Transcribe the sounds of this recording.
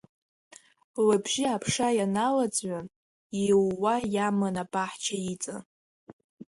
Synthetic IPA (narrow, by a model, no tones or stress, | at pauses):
labʒiapʰʂajanalat͡sʼɥʷan | iwːajamɨnapʼaħt͡ʃʰait͡sʼa̰